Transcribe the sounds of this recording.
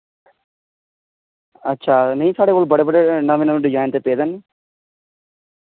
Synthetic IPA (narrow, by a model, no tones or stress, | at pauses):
ətːʃʰaːnəĩːsaːɽeːkoːlbəɽeːbəɽeːnəʋẽːnəʋ̃ɖɪd͡ʒaːɪnt̪eːpeːd̪ənː